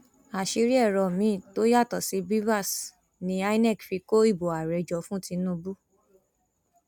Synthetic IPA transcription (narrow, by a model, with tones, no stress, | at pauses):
a˨ʃi˨˧˦ɾi˦ɛ˦˨ɾɔ˨mĩ˨˦˨to˦ja˦˨tɔ˨si˨˦bi˦va˦˨s | nĩ˨˦a˦nɛ˦˨kfi˨˦ko˦i˦˨bo˨a˨ɾɛ˨d͡ʒɔ˨˦fũ˦tĩ˧˦nũ˧bu˦